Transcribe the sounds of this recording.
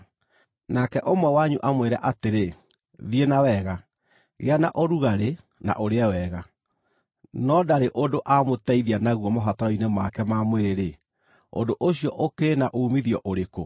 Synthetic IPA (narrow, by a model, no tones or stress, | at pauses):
nakɛʔomwɛwaɲuʔamweɾɛʔateɾe | ðienawɛɣa | ɣeanaʔoɾuɣaɾe | na̰ʔoɾeɛwɛɣa | nɔdaɾeʔodoʔamotɛiðianaɣuɔmoɦataɾɔinemakɛmamweɾeɾe | o̰ndoʔoɕiɔʔokenaʔoːmiðiɔʔoɾeko